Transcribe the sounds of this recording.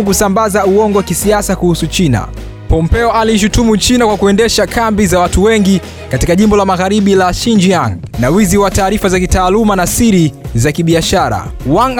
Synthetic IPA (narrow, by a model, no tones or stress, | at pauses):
kusambazauɔŋɡɔwakisiasakuhusut͡ʃina̰ | pɔmpɛɔaliʃ̬utumut͡ʃinakwakuɛndɛʃakambizawatuwɛŋɡi | katikaʄimbɔlamaɣaɾiɓilaʃind͡ʒiaŋnawiziwataːɾifazakitaːlumanasiɾizakiɓiaʃaɾa̰waŋ